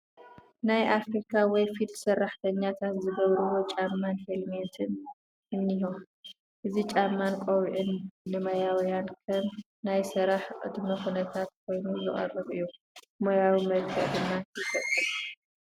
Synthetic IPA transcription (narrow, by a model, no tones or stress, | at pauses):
najʔafɾikʰawɔjfid̪d̪sɐrːaħt̪ʰɐɲːat̪ʰat̪zɨɡɐβɾɨwo̞t͡ʃʼamːanhelment̪ʰɨn | ɨnːihom | ʔɨzit͡ʃʼamːankʼoβʕɨnːɨmɐjawjankʰɐm | najsɨɾaħʔʼɨ̰d̪mɐkunɐt̪ʰat̪̚kʰo̞jnuzɨχʼɐ̰rːɨβɨ̰jːu | mojawimɐlkʰɨʔd̪ɨmːaɨfɐt̪ʼːɨlu